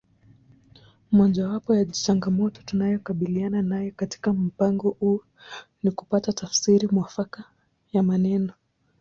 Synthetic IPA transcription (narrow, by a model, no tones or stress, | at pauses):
mɔʄawapɔjat͡ʃaŋɡamɔtɔ̥tunajɔkaɓiliananajɔkati̥kam̩paŋɡɔhuɔ | nikupatatafsiɾimwafaka | jamanɛnɔ